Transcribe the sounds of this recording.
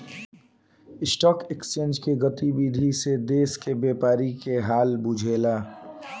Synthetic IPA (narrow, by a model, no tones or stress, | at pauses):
ɪsʈɔːkekst͡ʃẽːnd͡ʒkeɡət̪ibid̪ʱised̪eːskebeːpaːɾikeɦaːlbʊd͡ʒʱeːlaː